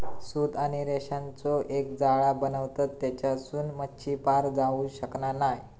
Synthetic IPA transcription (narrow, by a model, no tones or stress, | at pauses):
sud̪aɽ̃iɾeɕãnt͡sɔʔek̚d͡zaɭabənəʋt̪at̪ːjat͡ɕjasuːnmətːɕiːpaɾd͡zaũɕəknanaj